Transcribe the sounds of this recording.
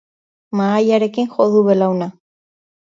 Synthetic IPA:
maːjaɾe̞kiŋxo̞ðuβe̞lawna

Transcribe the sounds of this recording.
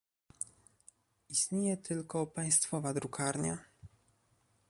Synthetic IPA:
ist̪ɲejɛt̪ʰɘlkɔpaj̃st̪fɔvad̪ɾukʰaɾɲa

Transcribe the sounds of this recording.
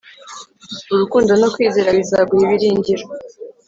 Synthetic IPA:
uɾukuːndonokwiːzeːɾaβizaβɡuiβiɾiːɲɟiɾo

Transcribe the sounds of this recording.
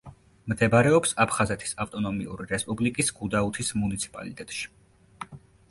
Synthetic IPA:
md̪ɛbaɾɛɔpsapʰχazɛt̪ʰi̥saft̪ʼɔnɔmiṵɾiɾɛspʼublikʼisɡ̥ud̪aut̪ʰismunit̪sʰi̥pʼa̰lit̪ʼɛt̪ʼʃi̥

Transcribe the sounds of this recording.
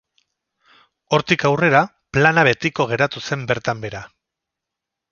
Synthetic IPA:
o̞ɾt̪ikawre̞ɾa | planaβe̞t̪iko̞ɣ̞e̞ɾat̪use̞mbe̞ɾt̪ambe̞ɾa

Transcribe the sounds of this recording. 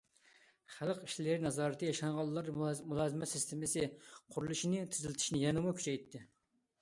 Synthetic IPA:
χælˠəqiʃlɪɾɪnɑzɑːɾɨt̪ʰɨjɑʃɑŋʁɑlˠːɑɾmulˠɑːzɨmɛt̪sɪst̪ʰɪmɪsɪqʰʊɾulˠuʃinɪt̪ʰɪzɪlɪt̪ʰiʃinɪjɛnɨmukʲʰy̥t͡ʃʰɛjt̪ʰːɪ

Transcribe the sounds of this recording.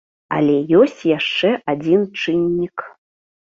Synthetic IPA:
a̰lʲɛjɔsʲt͡sʲjaʂt͡ʂɛʔad͡zʲint͡ʂɨnʲːik

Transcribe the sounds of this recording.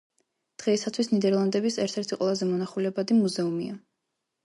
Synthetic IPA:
d̪̥ʁɛisat̪ʰwisnid̪ɛɾlˠand̪ɛbisɛɾt̪ʰɛɾt̪ʰiqʼwɛlˠazɛmɔnaχulɛbad̪imuzɛumia

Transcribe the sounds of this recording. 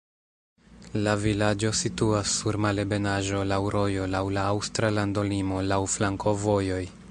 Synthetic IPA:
lavilad͡ʒo̞situasːuɾmale̞be̞naʒo̞lawɾo̞jo̞lawlaːwstɾalando̞limo̞lawflaŋko̞vo̞jo̞j

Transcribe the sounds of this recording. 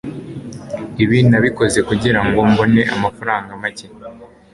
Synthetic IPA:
iβinaβiko̞ze̞kuɟiɾaŋɡo̞mbo̞ne̞ʔamafaɾaːŋɡamace

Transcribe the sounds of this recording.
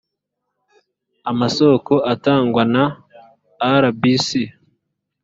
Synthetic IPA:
amaso̞ːko̞ʔataːŋɡwanaː | ɾabisi

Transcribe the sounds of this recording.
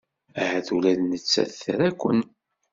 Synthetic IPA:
æhæθulæðnət͡sːæ̰θθɾækʷːə̰n

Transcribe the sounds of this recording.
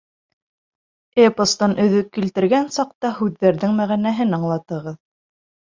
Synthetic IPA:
epŏst̪ɑnɵ̆ðɵkːilt̪ɘ̆ɾɡænsɑq̚t̪ɑhʉðːæɾðɘŋmæʁænæɦɘnɑɴlˠɑt̪ɤ̆ʁɤð

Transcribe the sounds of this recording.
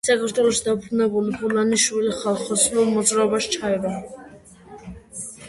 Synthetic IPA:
sakʰaɾt̪ʰwɛlˠɔʃid̪apʰnɛbulibulaniʃviliχalˠχɔsnulˠmɔd̪zɾaɔbaʃt͡ʃʰaɛba

